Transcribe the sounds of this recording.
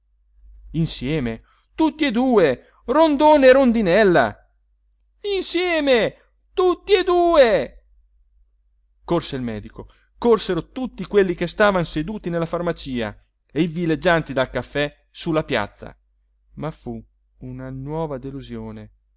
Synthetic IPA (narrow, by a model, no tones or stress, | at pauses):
insjɛːme | t̪ut̪ːied̪uːe | rond̪oːneːɾond̪inɛlːa̰ | insjɛːme | t̪ut̪ːied̪uːe | korseilmɛːd̪iko | korseɾot̪ut̪ːikwelːikest̪aːvansed̪uːt̪inelːafarmat͡ʃiːa̰ | eivilːed͡ʒːant̪id̪alkafːɛ | sulːapja̰t̪sːa̰ | mafu | unanwɔːvad̪eluzjoːne